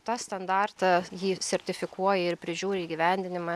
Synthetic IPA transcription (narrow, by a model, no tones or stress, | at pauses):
t̪ɑːst̪ɐnd̪ɑːrt̪ɑjiːsʲɛɾʲt̪ʲɪfʲɪkuɔjɛɪɾpʲɾʲɪʒʲuːɾʲeiːɡʲiʋʲɛˑnʲd̪ʲɪnʲɪmɑ